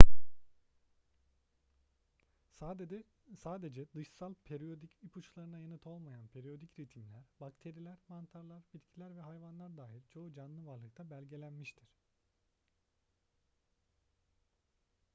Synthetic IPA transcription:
sad̪ | saːd̪e̞d͡ʒɛd̪ɯʃsalˠpʰeɾijo̞d̪icipʰut͡ʃlˠaɾɯnajanɯt̪ʰo̞lˠmajanpʰe̞ɾijo̞d̪icɾit̪ʰimlʲæɾbakt̪ʰe̞ɾilʲæɾmant̪ʰaɾlˠaɾbit̪cʰilʲæɾvɛɦajvanlˠaɾd̪aːɦilʲt͡ʃʰo̞ud͡ʒanlˠɯvaɾlˠɯk̚t̪ʰabælʲɟe̞lʲænmiʃt̪ʰiɾ̥

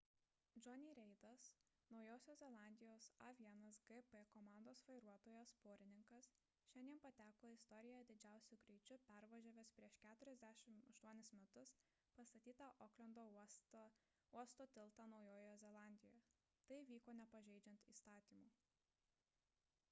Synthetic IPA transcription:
d͡ʒɔnʲiːɾʲɛɪd̪ɐs | nɒʊjoːsʲoːzzʲɛlˠɑˑnʲd̪ʲɪjoːsɑʋʲiɛnɐsɡɛpɛkɔmɑˑnd̪oːsʋɐɪɾuɔt̪oːjospoːɾʲɪnʲɪŋkɐs | ʃʲɛnd̪ʲiɛnpɐt̪ʲæːkoːɪst̪ɔɾʲɪjɛjd̪ʲɪd͡ʒʲæˑʊsʲuɡɾʲɛɪt͡ʃʲʊpʲæɾʋɐʒʲoːʋʲeːspʲɾʲiɛʃkʲæːt̪ʊɾʲɛzʲd̪ʲæːʃʲɪmɐʃt̪uɔnʲɪsmʲɛt̪ʊs | pɐst̪ɐt̪ʲiːt̪ɐʔoːklʲɛnd̪oː | uɔst̪oːt̪ʲɪlˠt̪ɐnɒʊjoːjozʲɛlˠɑˑnʲd̪ʲɪjoj | t̪ɐɪʋʲiːkoːnʲɛpɐʒʲɛɪd͡ʒʲɛnʲt̪ʲḭːst̪ɑːt̪ʲiːmuː

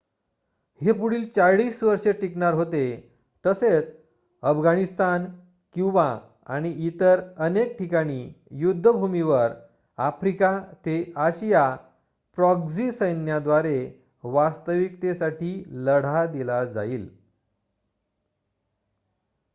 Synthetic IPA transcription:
hepuɽ̤iːlt͡saɭiːsʋəɾʂeʈikɳaɾɦot̪e | t̪əset͡s | əfɡaɽ̃ist̪an | kĩw̃ʋa | a̰ɽ̃iit̪əɾənek̚ʈʰikaɽ̃ijud̪ʱːəbʱumiʋəɾ | afɾikat̪eaɕija | pɾɔɡzisəjnjad̪ʋaɾe | ʋast̪əʋikt̪esaʈiːləɽ̤ad̪ilad͡za̰iːl

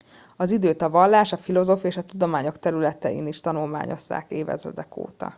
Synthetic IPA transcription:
ɒzid̪øːt̪ɒvɒlːaːʃɒfilo̞zoːfieːʃɒt̪ud̪o̞maːɲo̞kt̪ɛɾylɛt̪ɛḭːniʃt̪ɒnulma̰ːɲo̞̰sːa̰ːkeːvɛ̰zø̰d̪ɛko̰ːt̪ɒ̰

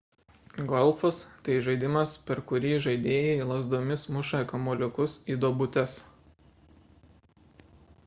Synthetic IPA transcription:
ɡɔlʲˠfɔst̪ɐɪʒɐɪd̪ʲɪmɐspʲɛɾkʊɾʲiːʒɐɪd̪ʲeːjɛiːlˠɐzd̪oːmʲɪsmʊʃɐɛkɐmɔːlʲɪkʊsiːd̪oːbʊt̪ʲɛs

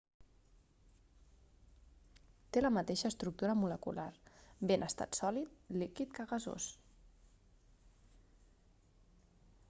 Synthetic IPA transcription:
t̪eləmət̪eʃəːst̪ɾuk̚t̪uɾəmuləkṵlaɾbenʔəst̪a̰t̪sɔlit̪likit̪kəɣəzo̰s

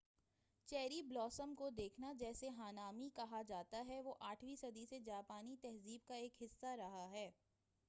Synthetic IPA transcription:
t͡ʃɛːɾiblɔːsəmkod̪eːkʰnad͡ʒɛːseɦaːnaːmikɐɦad͡ʒaːt̪aɦɛʋoʔaːʈʰʋisɐd̪ʱised͡ʒaːpaːnit̪ɛɦziːb̚kaeːkɦɪsːaɾɐɦaɦɛː

